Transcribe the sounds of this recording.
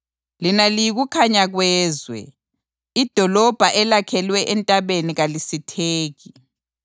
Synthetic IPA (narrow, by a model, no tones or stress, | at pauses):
linalijiɣukʰaɲaɣwɛːzwɛ̰ | id̥ʱɔlɔb̥ʱaʔɛlakʰɛlwɛʔɛntʼaβeniɣalisitʰeːɣi